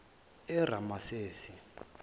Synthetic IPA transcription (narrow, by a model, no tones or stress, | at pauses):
ɛɾ̤amaseːsi